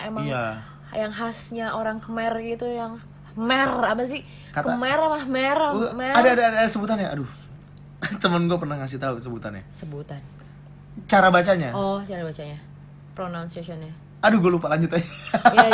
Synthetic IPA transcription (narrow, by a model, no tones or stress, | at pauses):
emaiŋa | jaŋɦasɲaʔoɾaŋkəmɛrɡit̪ujaŋ | mɛrapas̬ɪ | katkəmɛɾamameɾameadaːdaːdaːdasəbut̪anjaa̰du | t̪əmənɡuapərnahŋas̬ɪht̪aukəsəbut̪anja̰səbut̪an | t͡ʃaɾabat͡ʃaɲaɔht͡ʃaɾabat͡ʃaɲa | pɾonawnsasɔna | aduɡualupalaɲd͡ʒut̪aa